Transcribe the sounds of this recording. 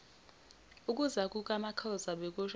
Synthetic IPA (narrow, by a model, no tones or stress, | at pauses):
ukʼuzakʼukʼamakʰɔzaɓɛk̬ʼuʃ